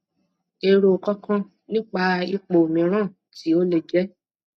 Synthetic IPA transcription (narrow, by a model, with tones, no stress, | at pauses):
e˧ɾo˨kɔ̃˦kã˦ | nĩ˦k͡pa˧i˦˧k͡po˨mĩ˨˦ɾ̃ã˦˨ | ti˨˦o˦le˧˨d͡ʒɛ˦